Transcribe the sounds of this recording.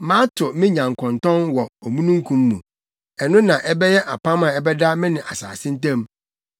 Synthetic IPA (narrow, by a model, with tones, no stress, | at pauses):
mã˦tʰʊ˨mɪ̃˦ɲã˨ŋ˨kʰɔ̃˨ntɔ̃˦nwɔ˨o˨mũ˦nũ˦ŋ̩˦kʰũ˦mːṵ̃˨ | ɛ˨nʊ̃˦nã˨ʔɛ˦bɛ˦jɛ˦ʔa˨pʰã˦mã˨ɛ˦bɛ˦da˦mɪ̃˦nɪ̃˨ʔa̰˨sa̰ː˨sɪ̃˦n̩˦tã˦m